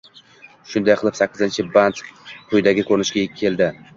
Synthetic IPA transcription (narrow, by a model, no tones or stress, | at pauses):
ʃʊnd̪ajqʰɨlˠɪpsakʲːɪzɪnt͡ʃʰɪbant̪qʰʊjd̪aɡʲɪkʰɵɾnɪʃkʲae̞lˠd̪ɪ